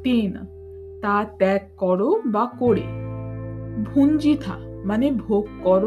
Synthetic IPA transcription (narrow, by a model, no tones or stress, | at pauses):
t̪in | t̪at̪ɛkːɔɽobakoɽḛ | bʱund͡ʒit̪ʰa̰manebʱoɡkːɔɾ